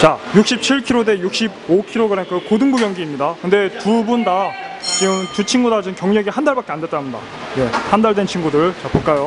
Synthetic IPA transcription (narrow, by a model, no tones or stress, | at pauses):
t͡ɕajuk̚ɕ͈ip̚t͡ɕʰiɭkʰiɾode̞juk̚ɕ͈ibokʰiɾoɡɯɾenkɯkodɯŋbuɡjʌŋɡiːmɲidakɯnde̞tubunda | t͡ɕiɡɯmtut͡ɕʰinɡudad͡ʑiɯnkjʌŋɲʌɡihandaɭbak͈eande̞t͈aɦamɲida̰ | je̞handaɭdwe̞nt͡ɕʰinɡudɯɭt͡ɕap͈ɯk͈ajo